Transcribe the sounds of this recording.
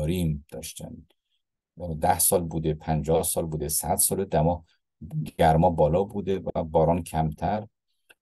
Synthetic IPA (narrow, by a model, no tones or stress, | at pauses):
ɾiːmd̪̥ɒːʃt̪æ̰n | d̪æhsɒːlbuːd̪epʰænd͡ʒɒːhsɒːlbuːd̪esæd̪̥sɒːled̪æmɒ | d̪æɾmɒːbɒːlɒːbuːd̪evæbɒːɾɒːncʰæmt̪ʰæɾ